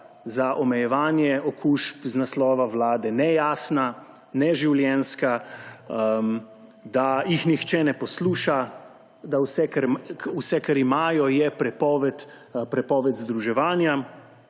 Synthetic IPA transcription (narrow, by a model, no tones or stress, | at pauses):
zaʔɔmɛjɛʋaːnjɛɔkʰuːʃpznaslɔːʋaʋlaːd̪ɛnɛjaːsna | nɛʒiwljɛnska | d̪ajixnixt͡ʃɛnɛpɔsluːʃa | d̪awsɛkɛɾusɛkaɾimaːjɔjɛpɾɛpɔːʋɛt̪pɾɛpɔːʋɛt̪zd̪ɾuʒɛʋaːnja